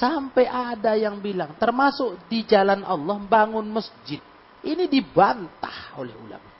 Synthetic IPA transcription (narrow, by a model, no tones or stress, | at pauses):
sampɛjʔadajaŋbilaŋt̪ərmasʊk̚did͡ʒalanʔɑlːɔhmbaŋʊnməsd͡ʒɪt̪̚ | ʔinidibant̪aholɛ̰hṵla̰maʔ